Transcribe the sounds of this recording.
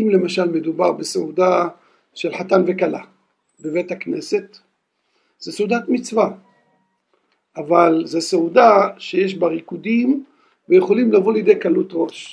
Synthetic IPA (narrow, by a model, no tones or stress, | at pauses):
mle̞maʃalme̞d̪ubaʁbeseud̪a | ʃelħat̪anve̞kala̰ | beve̞jt̪hakne̞se̞t̪ | z̥eseud̪at̪mit͡sva | ʔavalzeseud̪aʃejeʃbaʁikud̪im | vejeχo̞limlavoljed̪e̞jkalut̪ʁo̞ʃ